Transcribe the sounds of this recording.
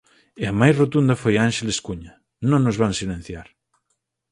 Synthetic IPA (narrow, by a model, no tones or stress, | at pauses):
eamajzrot̪und̪ɐfojanʃeleskuɲa | nõŋnozβansilẽn̟θjaɾ